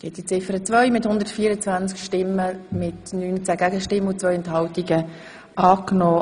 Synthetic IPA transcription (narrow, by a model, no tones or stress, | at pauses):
ɛtd̥it͡sɪfəɾət͡sʋœʏmɪthʊnd̪əɾtfiːəɾət͡svant͡skʃtɪmːəmɪtnyːnt͡sæːɡ̥æɡəʃtɪmːəʊt͡svœʏɛnthɑltiɡə | ʔɑːknɔː